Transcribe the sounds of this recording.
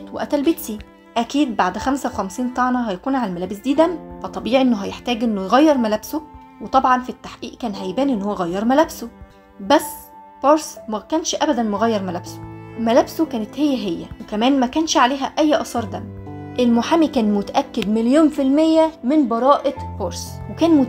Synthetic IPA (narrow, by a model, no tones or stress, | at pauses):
t̪weʔæt̪ælbit̪si | ʔækiːd̪̚baʕd̪xæmsæwexæmsiːnt̪ˤɑʕnɑɦæjækuːnʕalælmælæːbesd̪iːd̪ænfɑt̪ˤːɑbiːʕiʔenːoɦæjeħt̪æːɡʔenːojɣæjːeɾˤmælæbso | wet̪ˤɑbʕɑnfit̪ːaħʔḭːʔkæːnɦæjbæːnʔenːhowːæɣæjːɑɾˤmælæbso | bæsː | boɾsmækæːnʃʔæbæd̪ænmoɣæjːɑɾˤmælæbso̥mælæbsokæːnet̪hejːæɦejːæ̰wekæmæːnmækæːnʃʕaleːɦæʔæjːʔɑsˤɑːɾˤd̪æm | ʔelmoħaːmikæːnmot̪æʔækːed̪meljoːnfilmejːæmenbɑɾˤɑːʔeboɾˤswekæːnmʊ